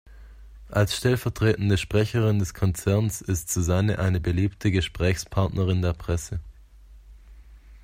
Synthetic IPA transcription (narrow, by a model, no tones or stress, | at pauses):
ʔalsʃtɛlfɛɐtʁ̥eːtn̩dəʃpʁ̥ɛçəʁɪndɛskʰɔnt͡sɛɐnsɪstz̥uzanəʔaɪnəbəliːptʰəɡəʃpʁ̥ɛːçspʰaɐtnʔəʁɪndeːɐpʁ̥ɛsə